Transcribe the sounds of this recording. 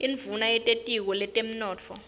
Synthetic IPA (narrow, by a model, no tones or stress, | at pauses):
iɱvunajɛtʼetʼik̬ɔlɛtʼem̩nɔːt͡fʰɔ̰